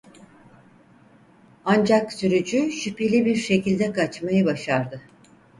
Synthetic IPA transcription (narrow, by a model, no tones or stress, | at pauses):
and͡ʒaksyɾyd͡ʒyʃypelʲibiɾʃe̞cilʲd̪ɛkat͡ʃmajɯbaʃaɾd̪ɯ